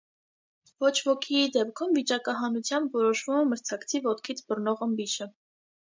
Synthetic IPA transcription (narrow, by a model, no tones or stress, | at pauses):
vɔt͡ʃʰvɔkʰiːd̪ɛpkʰumvit͡ʃɑkɑɦɑnut͡sʰjɑmbvɔɾɔʃvumɛməɾt͡sʰɑkt͡sʰivɔt̪kʰit͡sʰbərnɔʁəmbiʃə